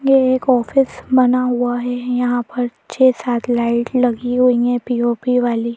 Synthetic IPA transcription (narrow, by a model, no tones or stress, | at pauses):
jeeːkɔːfɪsbɐnaɦuaɦɛjɐɦãpəɾt͡ʃʰeːsaːt̪ʰlaɪʈlɐɡiɦuĩɛpiːoːpiʋaːli